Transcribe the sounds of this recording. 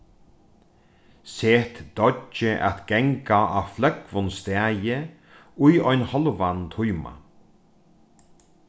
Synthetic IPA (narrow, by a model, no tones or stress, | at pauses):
seːt̪d̪̥ɔt͡ʃɪʔa̰t̪ɡ̥ɛŋkaa̰flœkvʊnst̪ɛːjɪ | ʊjɔjnhɔlvant̪ʰujma̰